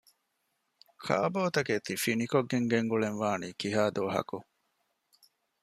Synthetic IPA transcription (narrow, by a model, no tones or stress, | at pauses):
kʰa̰ːboːt̪ɐket̪ifinikoɡːeŋɡeŋɡuɭenʋaːniːkiɦaːd̪oːɦɐ̰ku